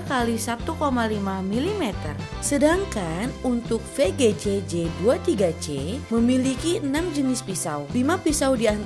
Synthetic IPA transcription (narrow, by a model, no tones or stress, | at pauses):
kalisat̪ukomalimamilimɛt̪ə̰r | sədaŋkanunt̪ʊk̚feɡed͡ʒed͡ʒeduat̪iɡat͡ʃeməmilikiənamd͡ʒənɪspisawlimapisawdian